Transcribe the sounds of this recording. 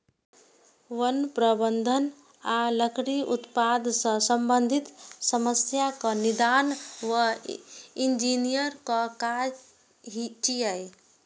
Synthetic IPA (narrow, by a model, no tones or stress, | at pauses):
ʋənpɾəbənd̪ʱən | aləkʰɽiut̪pad̪ʱsə̃səmbənd̪ʱit̪səməsjakənid̪anʋə | ind͡ʒinijəɾkəka | ɦit͡ʃiaj